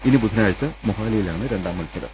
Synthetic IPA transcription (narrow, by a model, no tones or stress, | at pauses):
inibud̪ʱinaːɻt͡ɕːɐmoɦaːlɐjilaːɳɨɾeɳɖaːmɐlsɐɾɐ̰